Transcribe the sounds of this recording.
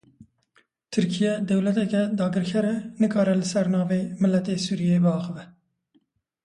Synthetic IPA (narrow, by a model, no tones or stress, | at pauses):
t̪ʰɨɾkʰijɛd̪ɛwlɛt̪ɛkɛd̪ɑːɡɨɾkʰɛɾɛnɨkʰɑːɾɛlɪsɛɾnɑːveːmɨlːɛt̪eːsuːɾijeːbɨɑːxɨvɛ